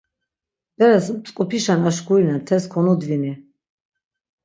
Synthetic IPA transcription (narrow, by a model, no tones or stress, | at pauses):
b̥ɛɾasmsʼkʼupʰiʃanaʃɡʰuinamt̪ʰɛskʰɔnud̪vini